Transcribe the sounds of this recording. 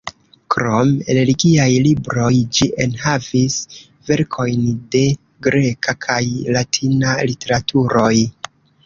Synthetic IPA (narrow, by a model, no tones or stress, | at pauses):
kɾo̞meɾe̞liɡiajlibɾo̞jd͡ʒiʔe̞nhavis | ve̞ɾkʰo̞jnde̞ | ɡɾe̞kʰakʰajlatʰinalite̞ɾatʰuɾo̞j